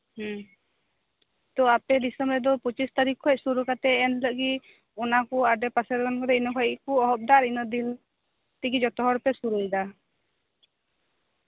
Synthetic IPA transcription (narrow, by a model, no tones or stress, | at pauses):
h | t̪ɔapɛd̪isɔmbɾɛd̪ɔpɔt͡ʃist̪aɾikʰɔc̚suɾukat̪ɛːnləɡi | ɔnakuaɖɛpasɛɾɡɔnkɔd̪ɛinɔkʰɔjiʔkuɔɦɔp̚d̪aɾinɔd̪in | t̪iɡid͡ʒɔt̪ɔɦɔɾpɛsuɾujd̪a